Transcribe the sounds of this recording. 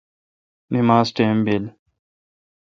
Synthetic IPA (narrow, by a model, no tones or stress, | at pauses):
nɪmaːzʈeːmbel